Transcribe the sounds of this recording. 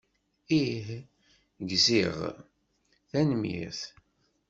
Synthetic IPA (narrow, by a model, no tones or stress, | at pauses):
ih | ɡziʁ | θænəmjḭθ